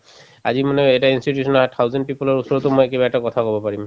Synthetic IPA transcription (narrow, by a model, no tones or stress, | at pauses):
a̰zimanɛɛjtainstitjusɔnɔatʰawzɛnt̚pipɔlɔɹusɔɹɔtʊmɔjɛkibaɛtakɔt̪ʰakɔbɔpaɹim